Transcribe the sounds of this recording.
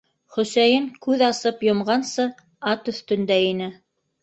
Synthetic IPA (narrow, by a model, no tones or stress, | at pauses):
χɵ̆sæjɘŋkʉðɑsɤpjŏmʁɑnsɤ | ɑt̪ɵ̆θt̪ɵ̆nd̪æinɘ